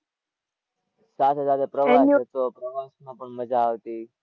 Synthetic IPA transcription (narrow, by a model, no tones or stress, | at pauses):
sat̪ʰed͡zad̪epɾəʋaent̪opɾəʋasnapəɳməd͡zʱaɦot̪iː